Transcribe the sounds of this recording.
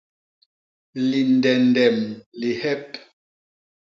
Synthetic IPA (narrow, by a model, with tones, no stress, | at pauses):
li˨n˨dɛ˨ndɛ˨mli˨hɛ˦p̚